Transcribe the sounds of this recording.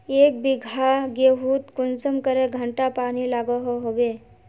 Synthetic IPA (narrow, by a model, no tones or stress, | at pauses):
eːk̚biɡʱaɡeɦuːt̪kʊnsəmkəɾeɡʱəɳʈapaːnilaːɡəɦoɦoʋe